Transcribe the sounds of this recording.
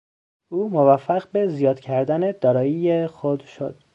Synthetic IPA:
ʔuːmovæfːæɣbezijɒːd̪̥cʰæɾd̪æne̞d̪̥ɒːɾɒːjijexod̪ʃo̰d̪̥

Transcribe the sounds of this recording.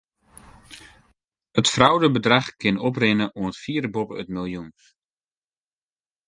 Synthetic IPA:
ətfrawdəbədraχkʰɪnɔprɪnəʔoətfiːrbɔpəətmilˠjun

